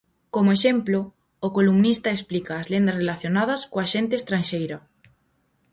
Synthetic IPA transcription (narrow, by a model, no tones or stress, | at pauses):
komoeʃemplʊː | kolumnist̪ɐesplikɐːzlend̪ɐsrelaθjonað̞ɐskoaʃent̪eːst̪ɾanʃejɾɐ